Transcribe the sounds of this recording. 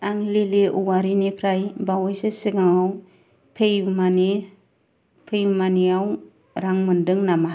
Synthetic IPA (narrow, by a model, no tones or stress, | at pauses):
aŋlileʔuwaɾinipʰɾajbawɔjsesiɡaŋaw | pʰejmani | pʰɯjmaniaw | ɾaŋmɯndɯŋnama